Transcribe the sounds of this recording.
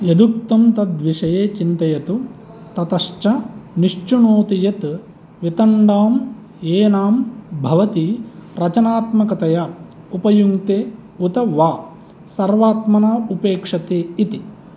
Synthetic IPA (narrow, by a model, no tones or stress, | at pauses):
jɐd̪uk̚t̪ɐmt̪ɐd̪ʋiʂɐjeːt͡ʃint̪ɐjɐt̪u | t̪ɐt̪ɐʂt͡ʃɐniʂt͡ʃunoːt̪ijɐt̪ | ʋit̪ɐɳɖaːm | eːnaːmbʱɐʋɐt̪iɾɐt͡ʃɐnaːt̪mɐkɐt̪ɐjɐ | upɐjuŋt̪eːut̪ɐʋaː | sɐɾʋaːt̪mɐnaːupeːkʂɐt̪eːit̪i